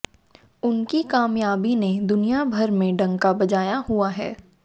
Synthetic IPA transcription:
ʊnkikaːmjaːbined̪ʊnijabʱɐɾmẽɖɐ̃ŋkabɐd͡ʒaːjaɦuaɦɛ̰ː

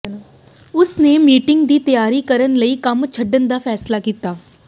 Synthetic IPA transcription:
ʊsneːmiːʈɪŋɡd̪iːt̪əjaːɾiːkəɾənləiːkəmt͡ʃʰəɖːənd̪aːpʰɛːslaːkiːt̪aː

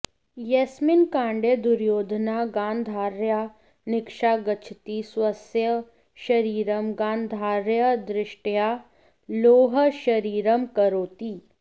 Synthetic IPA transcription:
jɐsmɪnkãːɳɖed̪ʊɾjoːd̪ʱnaɡãːnd̪ʱaːɾja | nɪkʃaːɡɐt͡ʃʰt̪iswɐsjə | ʃɐɾiːɾəmɡãːnd̪ʱaːɾjəd̪ɾɪʃʈjaː | loːɦəʃɐɾiːɾəmkɐɾoːt̪iː

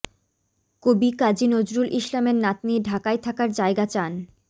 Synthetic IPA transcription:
kobikad͡ʑinod͡ʑɾulʔiʃlameɾnat̪̚nieɖʱakajt̪ʰakaɾd͡ʑaeɡat͡ɕan

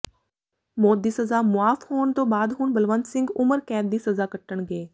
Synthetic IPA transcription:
moːd̪iːsəzaːmʊaːfhoːɳt̪õːbaːd̪ɦʊɳbəlʋənt̪sɪ̃ŋɡʊməɾkɛ̃ːnd̪iːsəzaːkəʈːəɳɡeː

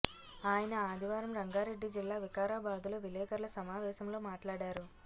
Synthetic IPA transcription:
aːjɐnɐaːd̪ʱiʋaːɾɐmɾɐŋɡaːɾe̞ɖːid͡ʒilːaːʋikaːɾaːbaːd̪uloːʋilɛːkɐɾlɐsɐmaːʋɛːʃɐmlo̞ːmaːʈlaːɽaːɾu

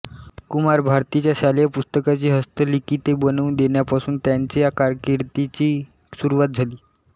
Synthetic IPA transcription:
kumaɾbʱaɾt̪it͡ɕjaɕalejapust̪əkat͡ɕiːɦəst̪əlik̪iːt̪ebənəund̪eɳjapasuːnt̪jaɲt͡ɕejakaɾkiɾt̪it͡ɕiː | suɾuʋat̪̚d͡zʱaliː

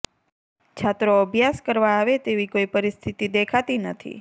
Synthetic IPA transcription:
t͡ʃʰat̪ɾoəbʱjaskəɾʋaːʋet̪eʋikoipəɾist̪ʰit̪id̪ekʰat̪inət̪ʰḭ

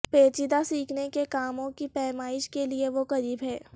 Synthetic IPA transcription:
peːt͡ʃɪd̪asiːkʰnekekaːmõkipɛːmaːɪʃkelieʋoqɐɾiːbɦɛː

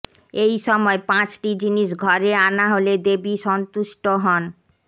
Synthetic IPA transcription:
ejʃɔmɔepãt͡ɕʈid͡ʑiniʃ̬ɡʱɔɾeanaɦoled̪ebiʃɔnt̪uʃʈoɦɔn

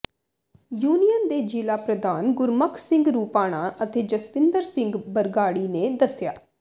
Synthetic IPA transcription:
juːnijənd̪eːd͡ʒɪlaːpɾəd̪aːnɡʊɾməkʰsɪ̃ŋɡɾuːpaːɽ̃aːʔət̪eːd͡ʒəspɪnd̪əɾsɪ̃ŋɡbəɾɡaːɽiːneːd̪əsjaː

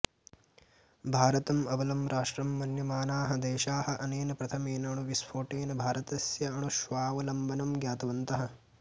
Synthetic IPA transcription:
bʱaːɾɐt̪ɐmɐʋɐlɐmɾaːʂɾɐmːɐnjɐmaːnaːɦɐd̪eːʃaːhɐʔɐneːnɐpɾɐt̪ʰɐmeːnɐɳ̃uʋispʰoːʈeːnɐbʱaːɾɐt̪ɐsjɐɐɳuʃʋaːʋɐlɐmbɐnɐmɡjaːt̪ɐʋɐnt̪ɐɦɐ̆

